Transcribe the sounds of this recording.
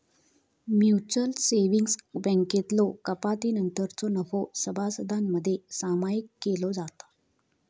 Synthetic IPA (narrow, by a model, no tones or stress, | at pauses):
mjuut͡ɕəlseʋiŋɡsbə̃ŋket̪lokəpat̪inənt̪əɾt͡sonəfosəbʱasəd̪ʱanːəd̪ʱːjesamajikːelod͡zat̪ḁ